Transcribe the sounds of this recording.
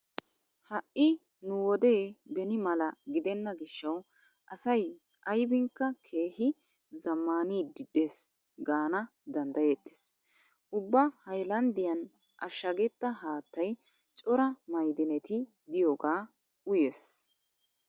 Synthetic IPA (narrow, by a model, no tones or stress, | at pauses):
hɐʔːɪ | nʊwɔd̪e̞ːbɛnɪmɐlɐɡɪd̪ɛnːɐɡɪʃːɐw | ʔɐsɐj | ʔɐjbɪŋkːɐkʰe̞ːhɪ | zɐmːaːniːd̪ɪd̪eːs | ɡaːnɐ | d̪ɐnd̪ɐjet̪ːɪ̥s | ʊbːɐhɐjlɐnd̪ɪjɐn | ʔɐʃːɐɡɛt̪ːɐɦaːt̪ːɐj | t͡ʃʼɔɾɐmɐjd̪ɪnɛt̪ɪ | d̪ɪjoːɡaː | ʊjeːs